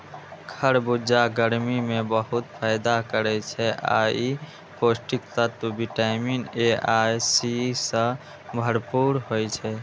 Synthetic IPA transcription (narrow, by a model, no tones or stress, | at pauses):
kʰəɾbud͡ʒaɡəɾmimẽbəɦʊt̪pʰaɪd̪akəɾɛt͡ʃʰɛʔa̰i | posʈik̚t̪ət̪biʈaɪmineajsisə̃ | bʱəɾpuɾɦojt͡ʃʰɛ